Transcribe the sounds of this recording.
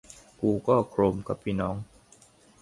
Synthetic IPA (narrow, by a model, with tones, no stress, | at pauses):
kuː˧kɔː˥˩kʰɾo˧˩mka˨˩pʰːiː˧˩nɔː˦˥ŋ